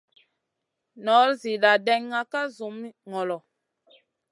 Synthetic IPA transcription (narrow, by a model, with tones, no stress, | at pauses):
nɔ˨˦lzi˨la˨dɛ˦ŋːa˦ka˦zu˨˦mi˦ŋɔ˨lɔ˨